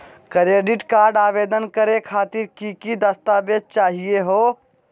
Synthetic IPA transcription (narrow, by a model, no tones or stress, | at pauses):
kɾeːɖɪʈkaːɾɖaːʋeːd̪ənkəɾekʰaːt̪ɪɾkikid̪ɐst̪aːbed͡ʒ̚t͡ʃaːɦieɦoː